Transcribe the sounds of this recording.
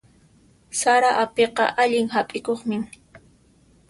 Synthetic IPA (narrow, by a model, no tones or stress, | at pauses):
saɾaʔapeqɑ̰ʔaʎɪŋhapʼɪkoχmɪ